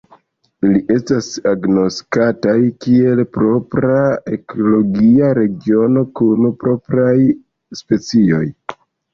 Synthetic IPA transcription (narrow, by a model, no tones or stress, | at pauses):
iliʔe̞stasaɡno̞stkatajkie̞lpɾo̞pɾae̞kʰolo̞ɡiaɾe̞ɡio̞no̞kunpɾo̞pɾaj | spe̞t͡sio̞̰j